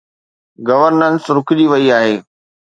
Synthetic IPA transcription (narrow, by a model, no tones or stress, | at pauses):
ɡɐʋəɾnənsɾʊkɪd͡ʑiʋɐiaːɦeː